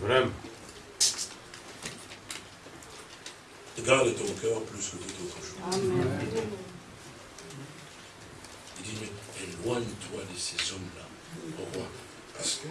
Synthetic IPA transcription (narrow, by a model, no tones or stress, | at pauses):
vʁɛmɑ̃ | t̪əɡaʁd̪et̪ɔ̃kœʁplyskət̪ut̪ot̪χəʃo | id̪iəɛlwɛ̃d̪ət̪wad̪əsezɔmla | pɔʁkwa | pas